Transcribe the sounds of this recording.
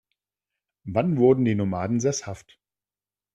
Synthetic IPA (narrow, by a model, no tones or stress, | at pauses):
vanvʊɐdn̩diːnomaːdn̩zɛshaft